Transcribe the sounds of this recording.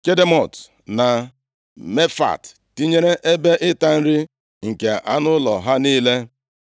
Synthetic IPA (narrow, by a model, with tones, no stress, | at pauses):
ke˦de˦mɔ˨t | na˨ | me˦fa̰˨t | ti˦ɲe˦ɾe˦ʔe˦be˦ʔɪ˦ta˦n̩˦ɾi˦ | ŋ̩˨ke˨ʔa˦nʊ˦lɔ̰˨ɦa˦niː˦le˦